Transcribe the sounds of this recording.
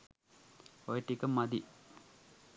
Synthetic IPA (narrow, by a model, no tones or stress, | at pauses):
ojʈːikːɐmːɐd̪i